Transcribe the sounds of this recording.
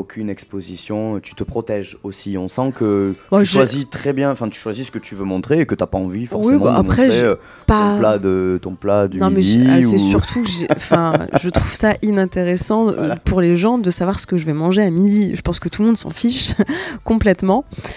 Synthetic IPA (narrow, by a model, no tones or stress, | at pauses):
okʰʲynɛkspozisjɔ̃t̪y̥t̪əpχɔt̪ɛʒosiɔ̃sɑ̃kəbaʒʃwazit̪χɛbjɛ̃ɑ̃fɛ̃t̪y̥ʃwazisə̥kət̪ʰyvømɔ̃t̪χeːkət̪yapaɑ̃vifɔʁswiem̃ɑ̃aʔapχɛʒeø | paɔ̃plad̪ət̪ɔ̃plad̪nɔ̃mɛisɛsyʁt̪ʰuʒeɑ̃fɛ̃ʒət̪χuv̥saʔinɛ̃t̪eʁesɑ̰̃puʁleʒɑ̃d̪əsavwaʁsə̥kəʒəvɛmɑ̃ʒeamid̪iʒəpɑ̃skət̪ulmɔ̃d̪sɑ̰̃fiʃkɔ̃plɛt̪mɑ̃